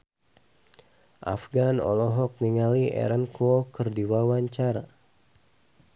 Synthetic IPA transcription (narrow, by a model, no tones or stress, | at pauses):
ʔa̰fɡanɔ̰lɔɦɔk̚niŋaliɛ̰ɾənkɔkərdiwawaɲt͡ʃaɾa